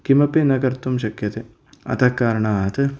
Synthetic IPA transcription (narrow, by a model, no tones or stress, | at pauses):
kimɐpinɐkɐɾt̪umʃɐkjɐt̪e | ɐ̰t̪ʰɐkːaːɾɐɳaːɦɐt̪ɨ